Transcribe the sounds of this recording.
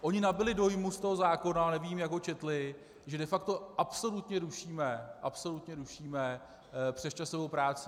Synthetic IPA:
ʔo̞ɲɪnabɪlɪdo̞jmust̪o̞ɦo̞zaːko̞nanɛviːmjakɦot͡ʃɛt̪lɪ | ʒɛdɛfakt̪o̞ʔapso̞lut̪ɲɛɾuʃiːmɛʔapso̞lut̪ɲɛɾuʃiːmɛ | pr̥ɛst͡ʃasovowpɾaːt͡sɪ

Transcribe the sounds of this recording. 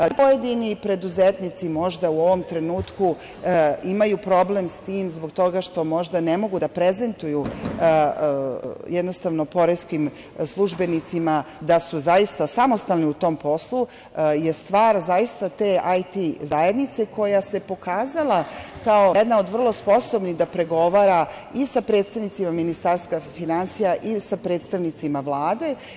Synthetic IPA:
pojed̪inipɾe̞d̪uzet̪nit̪simo̞ʒd̪auo̞ʋo̞mt̪ɾe̞nuːt̪ku | imajupɾo̞ble̞mst̪iːmzbo̞ɡt̪o̞ɡaʃt̪o̞mo̞ʒd̪ane̞mo̞ɡud̪apɾe̞ze̞nt̪uju | jed̪nost̪aʋno̞po̞ɾeskim | slˠuʒbe̞nit̪simad̪asuzajist̪asamo̞st̪alniut̪o̞mpo̞slˠu | je̞st̪ʋaːɾzajist̪at̪e̞ːajt̪izajed̪nit̪se̞ko̞jase̞po̞kaːzalˠakao̞ed̪nao̞d̪ʋr̩lˠo̞spo̞sobnid̪apɾe̞ɡo̞ʋaːɾa | isapɾet̪st̪aʋnit̪simaminist̪aɾst̪kafinansijaʔisapɾe̞ːt̪st̪aʋnit̪simaʋlˠaːd̪e̞

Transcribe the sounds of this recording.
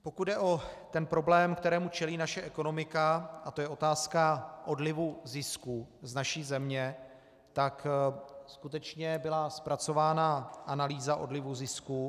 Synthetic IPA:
po̞kud̪dɛʔo̞t̪ɛnpɾo̞blɛːmkt̪ɛɾɛːmut͡ʃɛliːnaʃɛʔɛko̞no̞mɪkaʔat̪ojɛʔo̞t̪aːskaʔo̞dlɪvuzɪskuznaʃiːzɛmɲɛ | t̪akskut̪ɛt͡ʃɲɛbɪlaspɾat͡so̞vaːnaʔanaliːzaʔo̞̰dlɪvuzɪsku

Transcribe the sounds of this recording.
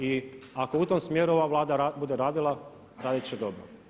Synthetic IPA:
iako̞ut̪omsmjeːɾuo̞ʋaʋlˠaːd̪aɾabud̪eɾaːd̪ilˠa | ɾaːd̪it͡ʃed̪o̞bɾo̰

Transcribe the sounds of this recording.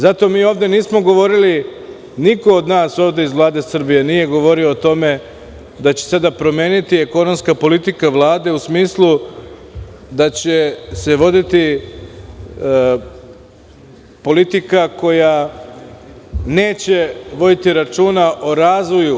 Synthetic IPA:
zat̪o̞ːmiːo̞ʋd̪e̞niːsmo̞ɡo̞ʋo̞ɾili | niko̞ːd̪naːso̞ːʋd̪ʲeizʋlˠaːd̪e̞sr̩bije̞nije̞ɡo̞ʋo̞ɾio̞ːt̪o̞me̞ | d̪at͡ɕesad̪apɾo̞me̞ːnit̪ieko̞no̞mskapo̞lit̪ikaʋlˠaːd̪e̞usmiːslˠu | d̪at͡ɕese̞ʋo̞d̪it̪i | po̞lit̪ikako̞ja | ne̞ːt͡ɕe̞ʋo̞d̪it̪iɾat͡ʃuːnaʔo̞ɾaːzʋo̞ju

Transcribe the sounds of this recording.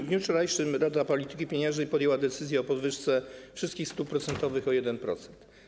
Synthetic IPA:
vd̪ɲuft͡ʂɔɾajʂɘmɾad̪apɔlʲit̪ɘ̥kʲipʲjeɲɛ̃ʐnɛjpɔd̪jɛwad̪ɛt̪sɘzjɛɔpɔd̪vɘʂt̪sɛfʂɘst̪kʲixst̪upɾɔt̪sɛnt̪ɔvɘxɔjɛd̪ɛnpɾɔ̰t̪sɛ̥nt̪

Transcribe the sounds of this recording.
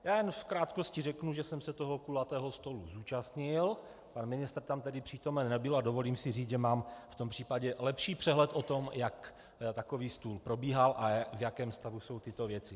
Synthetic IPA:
jaːjɛnfkɾaːt̪koscɪrɛknuʒɛsɛmsɛt̪oɦokulat̪ɛːɦo̞st̪o̞luzuːt͡ʃast̪ɲɪl | panmɪnɪst̪rt̪amt̪ɛdɪpr̝̥iːt̪o̞mɛnːɛbɪladovo̞liːmsɪriːd͡zʒɛmaːmft̪o̞mpr̝̥iːpaɟɛlɛpʃiːpr̝̥ɛɦlɛt̪ʔo̞t̪o̞mjak | t̪akoviːst̪uːlpɾo̞biːɦalʔavjakɛːmst̪avuso̞wt̪ɪt̪o̞vjɛt͡sɪ

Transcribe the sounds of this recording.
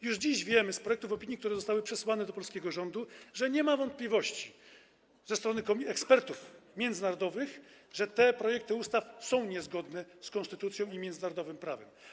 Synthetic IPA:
juʐd͡ʑiʑvʲjɛmɘspɾɔjɛkt̪ufɔpʲiɲikt̪uɾɛzɔst̪awɘpʂɛswanɛd̪ɔpɔlskʲɛɡɔʐɔnd̪uʐɛɲɛmavɔnt̪̚plʲivɔɕt͡ɕi̥ | zɛst̪ɾɔnɘkɔɛkspɛɾt̪ufmʲjɛnd̪zɘnaɾɔd̪ɔvɘx | ʐɛt̪ɛpɾɔjɛk̚t̪ɘust̪afsɔ̃w̃ɲɛzɡɔd̪nɛskɔnst̪ɘt̪ut̪sʲjɔ̃w̃imʲjɛnd̪naɾɔd̪ɔvɘmpɾavɛm

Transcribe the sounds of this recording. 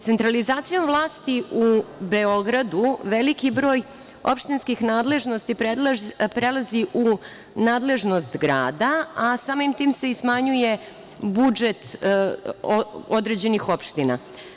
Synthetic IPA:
se̞nt̪ɾalizaːt̪sijo̞mvlˠaːst̪iʔubeo̞ɡɾad̪uʋe̞likibɾo̞ːj | o̞̰pʃt̪inskixnaːd̪le̞ʒno̞st̪ipepɾe̞lˠaziʔu | naːd̪le̞ʒno̞st̪ɡɾa̰ːd̪aasaːmimt̪iːmse̞ismaɲuje̞ | bud͡ʒe̞t̪ | ood̪ɾe̞d͡ʑe̞nixo̞pʃt̪ina̰

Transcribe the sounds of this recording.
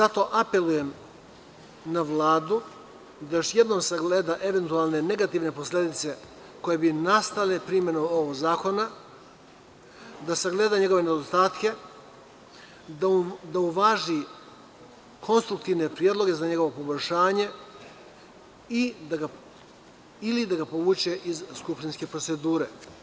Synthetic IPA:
zat̪o̞ʔape̞luje̞m | naʋlaːd̪u | d̪ajoʃje̞d̪no̞ːmsaɡleːd̪aʔe̞ʋe̞nt̪ualˠne̞ne̞ɡat̪iʋne̞poslʲe̞d̪it̪se̞ | ko̞je̞binast̪alepɾiːmje̞nomo̞ʋoɡzaːko̞na | d̪asaɡle̞ːd̪aɲe̞ɡo̞ʋe̞ned̪ost̪aːt̪ke̞ | d̪auʋaʒi | kʰo̞nst̪ɾuk̚t̪iʋne̞pɾijed̪lo̞ɡe̞zaɲe̞ɡo̞ʋo̞po̞bo̞ʎʲʃaːɲe̞ | id̪aɡa | ilid̪aɡapo̞ʋuːt͡ɕe̞ʔizskupʃt̪inske̞pɾo̞t̪se̞d̪uːɾe̞̰

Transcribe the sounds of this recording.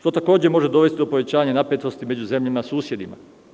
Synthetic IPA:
ʃt̪o̞t̪ako̞ːd͡ʑemo̞ʒed̪o̞ʋe̞st̪id̪opo̞ʋe̞t͡ɕaːaɲanapet̪o̞st̪ime̞d͡ʑuze̞mʎamasuːsje̞d̪ima̰

